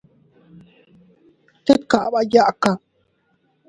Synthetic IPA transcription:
t̪e˦t̪ka˨ʔba˦ja˦ʔka˨

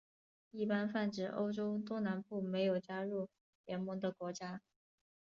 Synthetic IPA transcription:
i˥˩pa˥nfa˥˩nʈ͡ʂɻ̩˨˩ʔo̰˥ʊʈ͡ʂo˥ʊt̪wɔ˥na˧˥npu˥˩me˧˥ɪjo˨˩ʊt͡ɕja˥ɻu˥˩ | ljɛ˧˥nmɤ˧˥ŋd̪ə˨kwɔ˧˥t͡ɕja˥

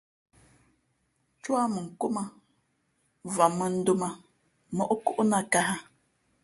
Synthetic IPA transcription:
t͡ʃwa˦mə˨ŋ̩˨ko˦ma˦˨ | va˨mə˦n̩˦du˦ma˦ | mə˦ʔo˦ku˦ʔna˦ka˦ɦa˦

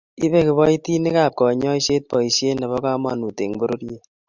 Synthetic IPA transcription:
i˦be˦kɪ˨bɔ˦i˦ti˦ni˦ka˦˨p̚kɔ˨ɲɔ˦i˦ʃe˦t̚pɔ˨i˨ʃje˦nɛ˨bɔ˦ka˦ma˦nu˨te˨ŋbo˦ɾo˦ɾje˨

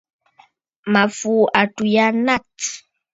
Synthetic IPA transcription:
ma˨fu˨ʔa˨tu˨ja˦na˦t

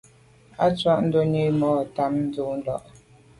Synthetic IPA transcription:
a˦t͡swa˦ʔn̩˦do˦ɲe˦˨mɔː˦˨ta˦mn̩˦d͡zu˦n̩˦dɔ̰˦˨ʔ

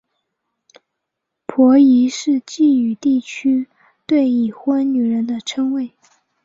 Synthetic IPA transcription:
pʰwɔ˧˥i˧˥ʂɻ̩˥˧t͡ɕi˥˩y˨˩t̪i˥˩t͡ɕʰy˥ | t̪we˥˩ɪi˨˩xwa˥nny˨˩ɻə˧˥nd̪ə˧ʈ͡ʂʰɤ˥ŋwe˥˩ɪ

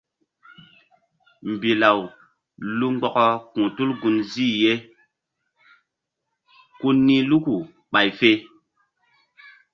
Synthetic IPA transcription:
m̩˨bi˨la˨w | lu˦ŋ͡mɡ͡bɔ˨kɔ˦kũ˨tu˦lɡu˧nziː˦˨je˦ | ku˦nːĩ˦lu˦ku˨ | ɓa˨jfe˦

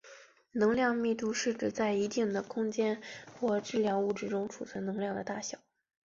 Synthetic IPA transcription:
nɤ˧˥ŋljɑ˥˧ŋmi˥˩t̪u˥˧ʂɻ̩˥˩ʈ͡ʂɻ̩˨˩t͡sa˥˩ɪi˧˥t̪i˥˩ŋd̪ə˩kʰʊ˥ŋt͡ɕjɛ˥nxwɔ˥˩ʈ͡ʂɻ̩˥˧ljɑ˥˧ŋu˥˩ʈ͡ʂɻ̩˥˧ʈ͡ʂʊ˥ŋʈ͡ʂʰṵ˨˩t͡sʰɤ˧˥nɤ˧˥ŋljɑ˥˩ŋd̪ə˩t̪a˥˩ɕjɑ˨˩˦

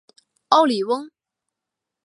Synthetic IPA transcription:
ɑ˥˩ʊli˨˩wə˥ŋ

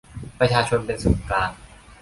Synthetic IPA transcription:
pɾa˧t͡ɕʰaː˧t͡ɕʰo˧npe˧nso˩˦nklaː˧n

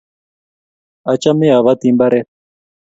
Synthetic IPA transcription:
a˨t͡ʃa˦mi˦a˨βa˦t̪i˦mba˦ɾɛ˦

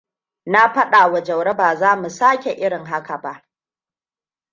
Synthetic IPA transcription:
na˦ɸɐ˦ɗaː˨wɐ˨d͡ʒɐ˨wɽɐ˦baː˨zaː˦mu˨saː˦kʲe˨ʔɪ˦ɽɪ˨ŋɦa˦ka˨ba˦ʔ

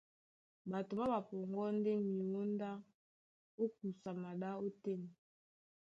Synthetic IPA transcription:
ba˨to˨ba˦ba˨pɔ˨ŋɡɔ˦n˦de˦mi˨o˦nda˦ | o˦k̚u˨sa˨ma˨ɗa˦o˦te˦ni˨

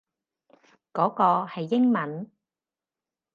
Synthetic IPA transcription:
kɔː˨˥kɔː˧hɐ˨jːɪ˥ŋmɐ˨˥n

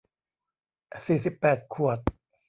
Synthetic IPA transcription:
siː˨˩si˨˩pːɛː˨˩t̪̚kʰu˨˩ət̪̚

